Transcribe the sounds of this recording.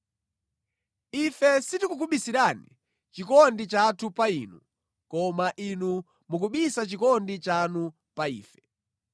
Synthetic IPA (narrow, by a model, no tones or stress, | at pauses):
ifɛsitikukuɓisiɾanḭ | t͡ʃikɔndit͡ʃatʰupainu | kɔmaʔinu | mukuɓisat͡ʃikɔndit͡ʃanu | paiːfɛ